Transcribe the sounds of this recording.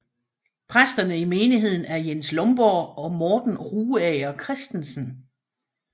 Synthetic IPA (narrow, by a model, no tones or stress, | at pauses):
pʰʁasd̥ɐnəime̝ːniɦe̝ð̞̰ˠn̩æɐjenslɔ̽mb̥ɒːɒ̽mɒːd̥n̩ʁuːɛɪɐkʰʁɛsd̥ensən̩